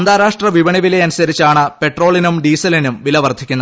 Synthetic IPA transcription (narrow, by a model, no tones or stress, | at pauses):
ɐnd̪aːɾaːʂʈrɐʋiʋɐɳiʋile̞ɐnusɐɾit͡ɕːaːɳɨpe̞ʈro̞ːɭinumɖiːsɐlinumʋilɐʋɐrd̪ʱikʲːunːɐ